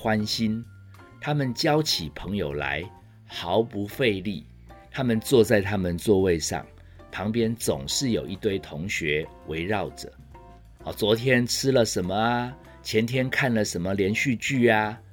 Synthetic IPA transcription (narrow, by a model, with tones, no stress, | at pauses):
xwa˦˥nɕi˦n | t̪ʰa˦mə˨nt͡ɕjɑ˦ʊt͡ɕʰi˨˩pʰə˨˧˦ŋjo˨˩ʊla̰˧˦ɪ | xɑ˨˦ʊpu˨˦fe˥˧ɪli˥˩ | t̪ʰa˦mə˨nt͡swɔ˥˧t͡sa˥˩ɪt̪ʰa˦˥mə˨nt͡swɔ˥˧we˥˧ɪʂɑ̰˥˩ŋ | pʰɑ˧˦ŋpjɛ˥nt͡so̰˨˩ŋʂɻ̩˥˩jo˨˩ʊi˧t̪we˥˩ɪt̪ʰʊ˧˦ŋɕɥɛ˨˧˦wʔe˧˥ɪɻɑ˥˨ʊʈ͡ʂə̰˨˩ | ɔ˨˩t͡swɔ˧˥t̪ʰjɛ˦nt͡s̩ʰ˥lə˨ʂə˧˦nmə˧a˦ | t͡ɕʰjɛ˧˥nt̪ʰjɛ˥nkʰa˥˩nlə˨ʂə˨˦˥nmə˨ljɛ˧˥nɕy˥˧t͡ɕy˥˩a˩